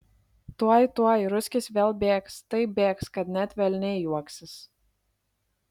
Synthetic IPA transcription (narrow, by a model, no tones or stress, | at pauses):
t̪uɔjt̪uɔjɾʊsʲkʲɪsʲʋʲeːlˠbʲeːkst̪ɐɪbʲeːkskɐt̪nʲæt̪ʲʋʲɛlʲnʲɛjuɔksʲɪs